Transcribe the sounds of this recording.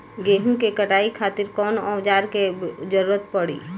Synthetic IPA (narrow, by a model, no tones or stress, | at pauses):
ɡeːɦũkekəʈaːikʰaːt̪ɪɾkɔːnɔːd͡ʒaːɾked͡ʒəɾuːɾət̪̚pəɽḭː